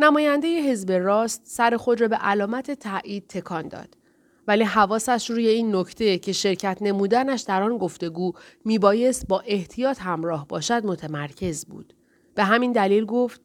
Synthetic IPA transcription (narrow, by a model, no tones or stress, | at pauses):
næmɒːjænd̪e̞je̞ɦe̞zbe̞rɒːst̪sæɾe̞xo̞d̪ɾɒːbeʔælɒːmæt̪ʰe̞t̪ʰæʔiːd̪̥̚t̪ʰːe̞kʰɒːnd̪ɒ̰ːd̪̥ | væliːɦævɒːsæʃɾuːje̞iːnːo̞cʰt̪ʰe̞cʰe̞ʃe̞ɾcʰæt̪ʰne̞muːd̪ænæʃd̪æɾɒːnɡo̞ft̪e̞ɡuːmiːbɒːje̞st̪̚bɒːʔe̞ht̪ʰijɒːt̪ʰhæmɾɒːhbɒːʃæd̪mo̞t̪ʰemæɾcʰe̞zbṵːd̪̥ | b̥e̞ɦæmind̪æliːlɡoft̪̚